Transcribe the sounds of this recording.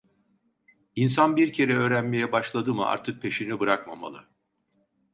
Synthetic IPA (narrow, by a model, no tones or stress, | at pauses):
insanbiɾcʰe̞ɾɛø̞ːɾænme̞jɛbaʃlˠad̪ɯmɯʔa̰ɾt̪ʰɯk̚pʰe̞ʃinibɯɾakma̰ma̰lˠɯ̰